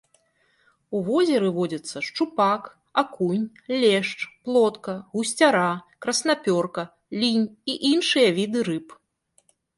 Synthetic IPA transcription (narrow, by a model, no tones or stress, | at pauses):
uvɔzʲɛɾɨvɔd͡zʲɐt̪sːɐʂt͡ʂupak | akunʲ | lʲɛʂt͡ʂplˠɔt̪kɐɣusʲt͡sʲaɾakɾɐsnapʲɔrkɐ | lʲinʲiʔinʂɨjɐvʲid̪ɨɾɨp